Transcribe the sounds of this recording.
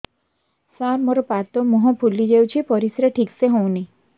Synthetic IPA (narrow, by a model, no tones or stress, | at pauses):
saɾmɔɾɔpat̪ɔmɔɦɔ̃pʰulːid͡ʒewt͡ʃʰipɔɾisɾeʈʰikseɦõw̃ni